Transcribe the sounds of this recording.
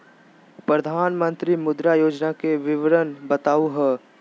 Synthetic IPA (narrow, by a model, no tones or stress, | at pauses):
pɾəd̪ʱaːnmə̃nt̪ɾimʊd̪ɾajoːd͡ʒnakeʋɪʋɾənbɐt̪aːuɦɛː